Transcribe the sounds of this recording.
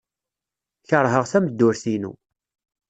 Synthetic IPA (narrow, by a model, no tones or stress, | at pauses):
çəɾˤɦəʁθæməd̪ːʊɾθinṵ